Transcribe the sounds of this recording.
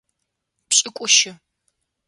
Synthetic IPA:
pɕʼɪkʷʼʊʃɪ

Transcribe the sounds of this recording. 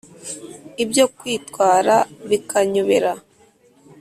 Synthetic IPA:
ibjo̞kwiːtkwaːɾaβikʰaɲuβe̞ɾa

